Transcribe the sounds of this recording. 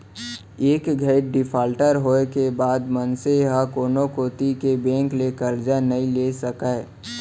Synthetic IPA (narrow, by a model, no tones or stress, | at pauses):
eːkɡʱəʈɖɪpʰaːlʈəɾɦoːekebaːd̪mənseɦakoːnõkoːt̪ikebẽːŋklekəɾd͡ʒanɐɦĩlesəkae